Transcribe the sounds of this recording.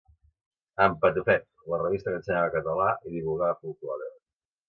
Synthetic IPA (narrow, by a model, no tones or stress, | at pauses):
əmpət̪ufɛt̪̚ | lərəβist̪əkənsəɲaβəkət̪əlaʔiðiβulˠɣaəfulˠklaðɛ